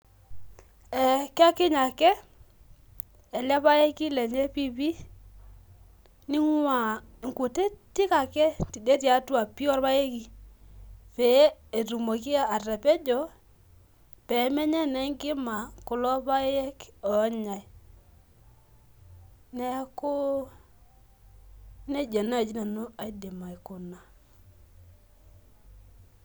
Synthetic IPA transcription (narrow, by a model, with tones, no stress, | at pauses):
ɛ˨ka˦kɪ˦ɲa˨kɛ˦ | ɛ˨la˦pa˦je˦ki˦lɛ˨ɲe˦pi˦pi˦ | ni˦ŋ˦wa˨i˨ŋku˨te˦ti˦ka˨kɛ˦ti˨de˦tja˨˦tu˦a˨pi˦ɔ˦ɾpa˦je˦ki˨ | pɛ˨˦e˨ɾu˨mo˨ki˦a˦a˨rɛ˨pɛ˦d͡ʒɔ˨ | pɛ˨˦mɛ˦ɲɛ˦nɛ˦ŋɡɪ˦ma˨kʊ˨lɔ˦pa˦je˦kɔ˨˦ɲa˨ | nɛ˦kʊ˦ | ne˦d͡ʒe˨na˦e˨d͡ʒi˦na˨nu˦a˨i˦de˨ma˨i˨kʊ˨na˨